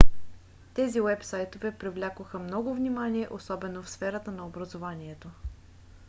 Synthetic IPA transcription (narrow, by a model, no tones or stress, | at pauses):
t̪ɛziwɛpsajt̪ovɛpɾivlʲakoxəmnɔɡʊvnimaniɛʔosɔbɛnofsfɛɾət̪ənɐobɾɐzovaniɛt̪o